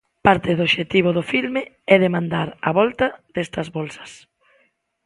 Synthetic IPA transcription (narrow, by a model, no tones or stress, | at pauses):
paɾt̪ɪðoβʃet̪iβ̞ʊðofilme | ɛðemãnd̪aɾɐ̰βɔlt̪ɐðɛst̪ɐzβɔlsɐ̥s